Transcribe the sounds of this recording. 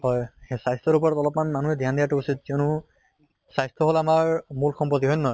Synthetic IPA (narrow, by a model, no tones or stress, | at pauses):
hɔjxesajst̪ʰɔɹupɔɹatɔlɔpmanmanuɦɛdʱjandijatuusit̚kɛʊnu | sajstʰɔɦolamaɹmulxɔmpɔt̪̬iɦɔjnnɔj